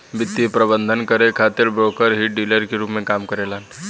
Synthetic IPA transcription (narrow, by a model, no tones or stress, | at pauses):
bit̪ːipɾəbənd̪ʱənkəɾekʰat̪eɾbɾokəɾɦiʈ̚ɖiləɾkeɾupmekamkəɾelən